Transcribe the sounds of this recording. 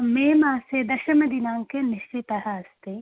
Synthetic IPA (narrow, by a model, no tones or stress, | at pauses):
meːmaːseːd̪ɐʃɐmɐd̪inaːŋkeniʃt͡ʃit̪ɐɦɐ̆ɐst̪e